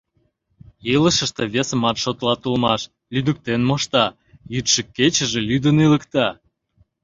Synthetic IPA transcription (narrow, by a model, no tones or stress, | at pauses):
iləʃə̆ʃt̪ĕβesəmɑt̪ʃot̪lɑt̪ulmɑʃ | lyd̪ək̚t̪enmoʃt̪ɑ | jyt̪ʃəkːet͡ɕə̆ʒelyd̪ənilə̆kt̪ɑ